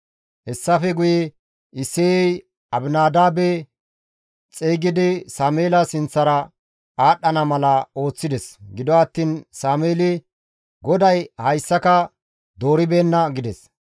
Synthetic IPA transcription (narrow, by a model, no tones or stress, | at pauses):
hɛsːɐfɛɡʊjɛ | ɪsːeɛj | ɐbɪnaːd̪aːbɛ | t͡sʼeːɡɪd̪ɪsaːmeːlɐsɪnt͡sːɐɾɐ | aːɗːɐnɐmɐlɐo̞ːt͡sːɪd̪ɛsɡɪd̪ɔɐt̪ːiːnsaːmeːlɪ | ɡɔd̪ɐjhɐjsːɐkɐ | d̪o̞ːɾɪbe̞ːnːɐɡɪd̪ɛs